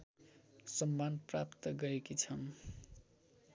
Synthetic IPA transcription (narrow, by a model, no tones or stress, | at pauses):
sʌmːanpra̰pt̪ʌɡʌɾekit͡sʰʌm